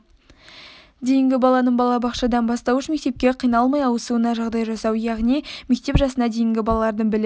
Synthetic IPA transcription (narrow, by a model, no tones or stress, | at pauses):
d̪ejɪŋɡʲɪbɑlˠɑnəɴbɑlˠɑbɑqʃɑd̪ɑnbɑst̪ɑwəʃme̞k̚t̪e̞p̚kʲe̞qʰijnɑlˠmɑjɑwəsuwənɑʒɑʁd̪ɑjʒɑsɑwjɑʁnime̞k̚t̪e̞pʒɑsənɑd̪e̞jɪŋɡʲɪbɑlˠɑlˠɑɾd̪əɴbɪlɪ